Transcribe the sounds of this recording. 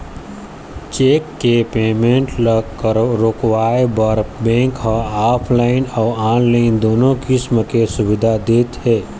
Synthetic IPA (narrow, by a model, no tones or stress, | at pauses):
t͡ʃeːkːepeːmẽɳʈ | ɾoːkwaːebəɾbɛ̃ːŋkɦəaːpʰlaːɪnɔːaːnlaɪnd̪oːnõkɪsməkesʊʋɪd̪ʱad̪eːt̪ɦɛː